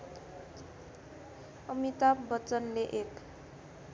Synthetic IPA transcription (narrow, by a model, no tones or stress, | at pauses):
ʌmit̪abʌt͡sʌnleʔek